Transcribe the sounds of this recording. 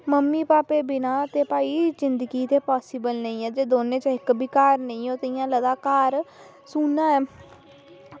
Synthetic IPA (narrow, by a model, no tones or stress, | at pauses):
məmːiːpaːpeːbɪnãːt̪eːpaːiːd͡ʒɪnd̪əɡiːt̪eːpaːsɪːbəlnəĩːɛːd͡ʒeːd̪oːnẽːt͡ʃːɪkbiːkaːɾnəĩːoːt̪əijãːləd̪aːkaːɾ | suːnaːɛː